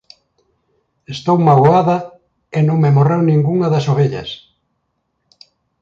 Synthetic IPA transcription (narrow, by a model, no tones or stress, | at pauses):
est̪owmaɣoaðɐ | enõŋmemorewnĩŋɡuŋɐðɐsoβeʎɐ̰s